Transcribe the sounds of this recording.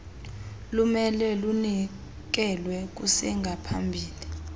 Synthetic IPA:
lumɛlɛluni | k̬ɛlwɛk̬usɛŋɡʱapʰa̰mbʱiːli

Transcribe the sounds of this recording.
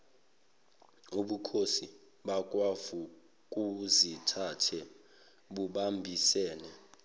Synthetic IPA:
uɓukʰosi | ɓak̬ʼwavu | kʼuzitʰatʰɛ | ɓuɓambʱisɛːnɛ

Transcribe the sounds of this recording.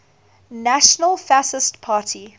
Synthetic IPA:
naʃənəlˠfasɪstpʰaːtʰi

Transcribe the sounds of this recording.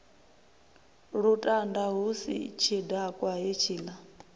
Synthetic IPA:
ɺutʼandaɦusḭt͡ʃʰidakʼwaɦit͡ʃʰiːla

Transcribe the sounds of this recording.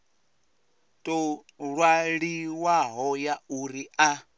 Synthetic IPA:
tʼɔ | ɺwaɺiwaɦɔjauɾia

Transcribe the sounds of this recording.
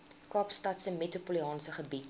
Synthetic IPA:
kɑːpstɐtsəmetɾupoliɑːnsəχəbit

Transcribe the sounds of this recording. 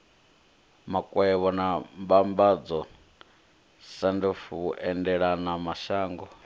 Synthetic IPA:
makʼwɛβɔnambambad͡zɔ | sandifuβuʔɛndɛɺanamaʃaːŋɡɔ

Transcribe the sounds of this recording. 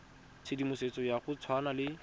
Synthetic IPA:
t͡sʰedimʊset͡sɔjaχʊt͡sʰwanalɪ

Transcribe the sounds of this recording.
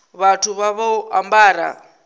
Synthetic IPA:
βatʰuβaβauʔambaːɾa̰

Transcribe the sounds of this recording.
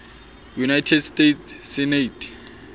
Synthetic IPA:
junajtʰɛdstetːɛnetʰ

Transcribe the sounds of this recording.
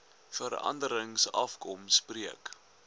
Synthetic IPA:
fəɾɐ̰ndəɾəŋsɐfkɔmspriək

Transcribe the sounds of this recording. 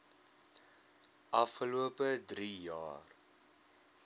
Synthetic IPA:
ʔɐfχəluəpədrijɑ̰ːr

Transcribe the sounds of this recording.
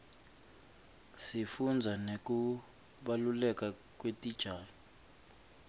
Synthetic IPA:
sifund͡zʱanek̬ʼu | ɓalulɛka | k̬ʼwetid̥ʒ̥ʱaːlɔ

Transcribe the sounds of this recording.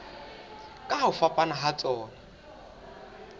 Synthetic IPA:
kʼaɦaʊfapʼanaɦat͡sʼɔːna

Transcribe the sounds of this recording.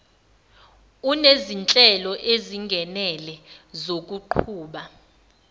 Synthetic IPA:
unezint͡ɬʼɛlɔʔeziŋɡʱɛnɛlɛzok̬ʼuǃʰuːɓa

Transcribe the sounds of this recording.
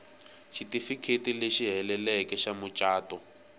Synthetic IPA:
ʃitifikʰetileʃiɦɛlɛlɛkɛʃamʊt͡ʃʼaːtɔ

